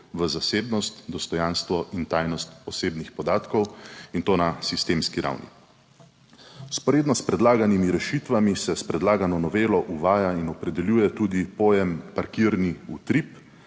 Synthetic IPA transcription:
ʋəzaseːbnɔst̪d̪ɔst̪ɔjanst̪ʋɔʔint̪aːjnɔst̪ɔseːbnixpɔd̪aːt̪kɔwint̪oːnasist̪eːmskiɾa̰wnḭ | spɔɾeːd̪nɔspɾɛd̪laːɡanimiɾɛʃit̪ʋamisɛspɾɛd̪laːɡanɔnɔʋeːlɔʔuʋaːjainɔpɾɛd̪ɛljuːjɛt̪uːd̪ipoːjɛmpaɾkiːɾniut̪ɾip

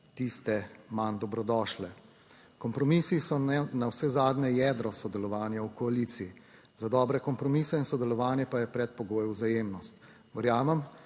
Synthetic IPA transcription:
t̪ist̪ɛmand̪ɔbɾɔd̪ɔːʃlɛ | kɔmpɾɔmiːsisɔnawsɛzaːd̪nɛjɛd̪ɾɔsɔd̪ɛlɔʋaːnjawkɔalit̪siː | zad̪ɔːbɾɛkɔmpɾɔmiːsɛinsɔd̪ɛlɔʋaːnjɛpajɛpɾɛt̪̚pɔɡoːjɛwzajeːmnɔst̪ | ʋɛɾjaːmɛm

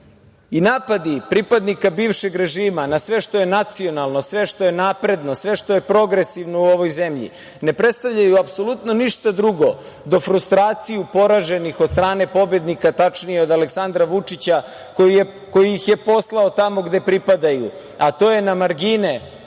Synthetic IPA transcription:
inaːpad̪ipɾipad̪nikabiːʋʃe̞ɡɾe̞ʒiːmanasʋe̞ʂt̪o̞je̞nat̪sio̞nalˠnosʋe̞ʃʂt̪o̞je̞naːpɾe̞d̪no̞sʋe̞ʃt̪o̞je̞pɾo̞ɡɾesiʋno̞uo̞ʋo̞jze̞mʎḭ | ne̞pɾe̞t̪st̪aʋʎajuapso̞lut̪no̞niʃt̪ad̪ɾuɡo̞ | d̪o̞fɾust̪ɾaːt̪sijupo̞ɾaʒe̞nixod̪st̪ɾaːne̞po̞bje̞d̪nikat̪at͡ʂnijeo̞d̪aleksand̪ɾaʋut͡ʂit͡ɕa | ko | ko̞jiixje̞po̞slˠaot̪amo̞ɡd̪e̞pɾipad̪ajṵ | at̪o̞ːje̞namaɾɡine

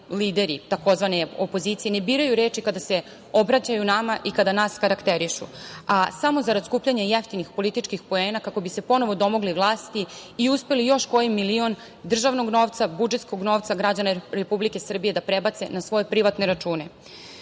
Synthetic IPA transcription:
liːd̪e̞ɾḭt̪ako̞zʋaneopo̞zit̪sije̞nebiːɾajuɾe̞ːt͡ʃikad̪ase̞ | o̞bɾat͡ɕajunamaʔikad̪anaːskaɾakt̪eɾiʃṵasamo̞zaɾad̪skuːpʎaɲajeft̪inixpo̞lit̪it͡ʃkixpo̞e̞ːnakako̞bise̞po̞no̞ʋo̞d̪o̞mo̞ɡliʋlˠaːst̪iːuspe̞lijo̞ʃko̞jimːilio̞n | d̪r̩ʒaʋno̞ɡno̞ːʋt̪sabud͡ʒet̪skoɡno̞ːʋt̪saɡɾad͡ʑanaɾepublike̞sr̩bije̞d̪apɾe̞bat̪se̞nasʋo̞je̞pɾiʋat̪ne̞ɾat͡ʃuːne̞

